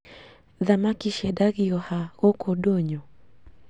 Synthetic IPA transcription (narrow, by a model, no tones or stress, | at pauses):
ðamakiʃɛdaɣiɔhaɣɔkʰɔdɔɲɔ